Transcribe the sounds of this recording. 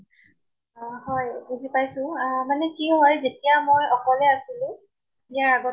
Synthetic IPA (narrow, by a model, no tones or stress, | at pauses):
ɦɔjbuzipajsʊ̃manɛkiɦɔjzetijamojɔkɔlɛasilʊ̃ | ijaɹaɡɔ